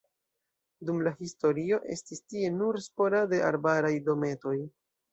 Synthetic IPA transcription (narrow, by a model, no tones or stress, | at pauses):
dumlahisto̞ɾio̞ʔe̞̰stistie̞nuɾspo̞lade̞ʔa̰ɾbaɾajdo̞me̞to̞j